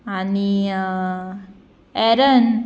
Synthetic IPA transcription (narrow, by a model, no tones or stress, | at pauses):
aniə | ɛɾən